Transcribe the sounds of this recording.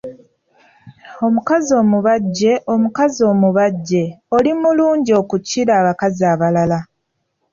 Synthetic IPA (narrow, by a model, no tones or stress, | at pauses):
o̞mukazio̞ːmuβaɟːe̞ʔo̞mukazio̞ːmuβaɟːe̞o̞limuluːɲɟio̞kuciɾaːβakaziaːβalala